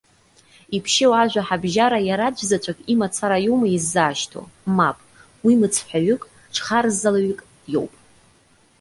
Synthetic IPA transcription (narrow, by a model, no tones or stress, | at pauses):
ipʰʃewaʒᶣʷaħabʒaɾajaɾad͡ʒʷzat͡ʃʷʰʼakʼimat͡sʰaɾajowmaizːaːʃtʰo̰mapʼ | wimɨt͡sʰħʷᶣaɥʏkʼ | ʈ͡ʂʰχaɾzalaɥkʼ | jo̞̰wpʼ